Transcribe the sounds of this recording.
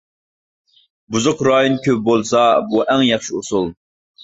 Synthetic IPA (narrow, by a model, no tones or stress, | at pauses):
buzʊqɾɑːjonkʲʰøp̚bolˠsɑbuʔæŋjɑχʃiusulˠ